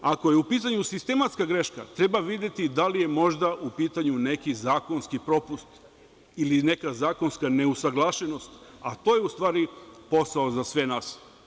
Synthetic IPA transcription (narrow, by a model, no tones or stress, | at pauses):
ako̞jeupiːt̪̬aɲusist̪e̞mat̪skaɡɾeʃka̰t̪ɾe̞baʋid̪je̞t̪id̪alije̞mo̞ʒd̪aʔupiːt̪aɲune̞kizaːko̞nskipɾo̞pust̪ | iline̞kazaːko̞nskane̞usaɡlˠaʃe̞no̞st̪at̪o̞ːje̞ust̪ʋaːɾipo̞saozasʋe̞naːs